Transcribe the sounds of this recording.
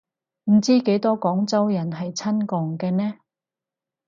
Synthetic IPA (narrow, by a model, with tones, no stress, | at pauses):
m̩˨˩t͡siː˥ke˨˥jt̪ɔː˥kɔː˨˥ŋt͡sɐ˥wjɐ˨˩nɦɐ˨jt͡sʰɐ˥nkɔː˨ŋkɛː˧nɛː˥